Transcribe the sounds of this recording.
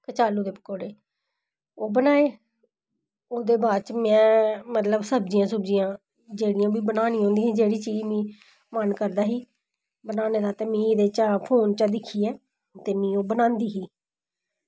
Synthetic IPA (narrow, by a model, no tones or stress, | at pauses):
kət͡ʃaːluːd̪eːpəkoːɽeː | oːbənaːeː | oːd̪eːbaːɾt͡ʃmɛ̃ːmət̪ləbsəb̚d͡ʒɪjãːsʊbd͡ʒiːjãː | d͡ʒeːɽɪjãːbiːbənaːnĩːõːnd̪iːɦɛ̃ːd͡ʒeːɽiːt͡ʃiːd͡ʒmĩː | mənkəɾd̪aːɦiː | bənaːneːd̪aːt̪eːmĩːɪd̪eːt͡ʃaːpʰoːnt͡ʃaːd̪ɪkʰːiːɛː | t̪eːmĩːoːbənãːnd̪iːɦiː